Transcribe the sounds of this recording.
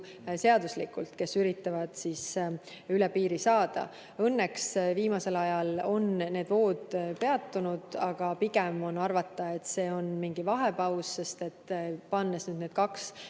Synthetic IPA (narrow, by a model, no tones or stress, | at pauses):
se̞ɑd̪uslikult̪ke̞syɾit̪ːˑɑvɑd̪̥sis | ylɛpiːɾisɑːd̪̥ɑ̰ | ɤnːeksviːmɑse̞lɑjɑlo̞nne̞ːd̪vo̞ːd̪̥pe̞ɑt̪ːunud̪̥ɑɡ̥ɑpiɡ̥emo̞nɑrvɑt̪ːɑe̞t̪se̞ːo̞nmiŋɡ̥ivɑɦe̞pɑwsːe̞st̪e̞t̪ːpɑnːesnyːd̪ned̪̥̚kɑks